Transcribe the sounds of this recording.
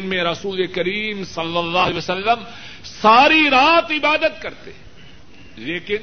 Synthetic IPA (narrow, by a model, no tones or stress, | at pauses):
nmẽɾɐsuːlekɐɾiːmsɐlːɐlːaːɦeəsɐlːəm | saːɾiɾaːt̪ɪbaːd̪ət̪̚kɐɾt̪ḛ | leːkɪn